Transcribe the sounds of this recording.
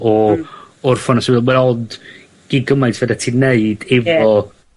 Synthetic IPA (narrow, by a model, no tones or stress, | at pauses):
ɔ | ʊrfɔnasiðˠwɛɾɔd | ɡ̥iɡəmajtʰvədatʰineɨd̥ɛvɔ